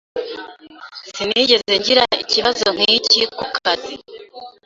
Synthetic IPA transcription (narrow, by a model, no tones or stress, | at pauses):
siniːɟe̞ze̞ɲɟiɾaḭciβazoŋ̥hiːcikukʰazi